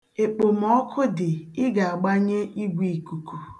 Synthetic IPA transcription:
e˨k͡po˨m̩˨ɔ˦kʰʊ˦dɪ˨ɪ˦ɡa˨a˨ɡ͡ba˦ɲe˦ʔi˦ɡʷi˨i˨ku˨ku˨

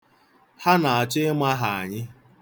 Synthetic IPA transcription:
ha˦na˨a˨t͡ʃɪ˦ma˦ɦa˨a̰˨ɲɪ˦

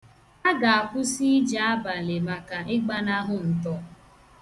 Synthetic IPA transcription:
a˦ɡa˨a˨kʷʊ˦si˦d͡ʒa˨a˦ba˨le˨ma˨ka˨ɪ˦ɡ͡ba˦na˦ɦʊ˨n̩˨tɔ˦

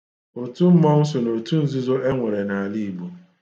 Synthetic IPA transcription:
o˨tu˦m̩˦mɔ˦n̩˦s̬ʊ˨no˨tu˦n̩˦zu˦zo˦ʔe˦ŋʷe˨ɾe˨na˨a˨li˦i˨ɡ͡bu˨

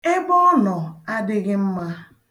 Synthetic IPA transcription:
e˦bɔ˦ɔ˦nɔ˨a˦dɪ˦ɣɪ˦m̩˦ma˦

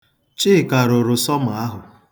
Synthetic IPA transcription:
t͡ʃɪ˦˨ka˨ɾʊ˨ɾʊ˨sɔ˦mʊ˨a˦ɦʊ˨

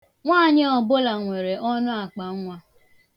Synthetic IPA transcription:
ŋʷaː˦˨ɲɪ˦ɔ˨bʊ˦la˨ŋʷe˨ɾe˨ʔɔ˦nʊ˦a˨k͡pa˨˦ŋʷa˦

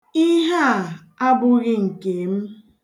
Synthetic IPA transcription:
i˦ɦa˦˨ | a˦bʊ˦ɣɪ˦ŋ̩˨ke˨m̩˦

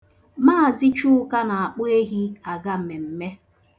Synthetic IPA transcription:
maː˦˨zɪ˦t͡ʃu˦ʊ˦ka˦na˨a˨k͡pʊ˦e˦ɦi˦a˨ɡa˦m̩˨me˨m̩˨me˦

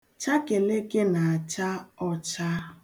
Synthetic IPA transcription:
t͡ʃa˦ke˨le˦ɡe˦na˨a˨t͡ʃa˦ɔ˦t͡ʃa˦

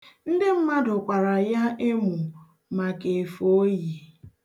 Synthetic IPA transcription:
n̩˦dɪ˦m̩˦ma˦dʊ˨kʷa˨ɾa˨ja˦e˦mu˨ | ma˨ke˨fo˦ji˨

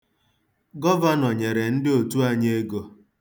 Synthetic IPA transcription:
ɡɔ˦va˦nɔ˨ɲe˨ɾe˨n̩˦dɪ˦o˨tu˦a˦ɲe˦e˦ɡo˨

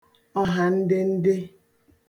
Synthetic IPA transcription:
ɔ˦ɦa˨n̩˦dɪ˦n̩˦dɪ˦

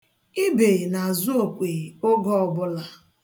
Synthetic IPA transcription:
i˦be˨na˨zʊ˦o˨kʷe˨o˦ɡɔ˦ɔ˨bʊ˦la˨

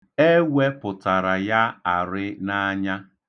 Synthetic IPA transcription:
e˦we˦pʊ˨ta˨ɾa˨ja˦a˨ɾɪ˦na˦ɲa˦

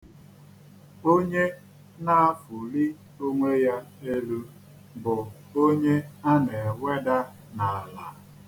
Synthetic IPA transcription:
o˦ɲe˦ | na˦a˦˨fu˨li˦ | o˦ŋʷe˦ja˦e˦lu˦ | bʊ˨ | o˦ɲe˦a˦ne˨we˦da˦ | na˨a˨la˨

